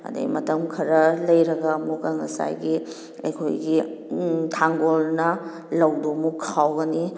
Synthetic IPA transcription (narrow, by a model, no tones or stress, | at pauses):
ɐ̰dɐ̰mɐtɐmkʰɐɾɐlɐjɾɐɡɐmukaŋɐsa̰jɡi | ɐ̰jkʰo̰jɡi | tʰaŋɡolnɐ | lɐwdomukʰawɡɐni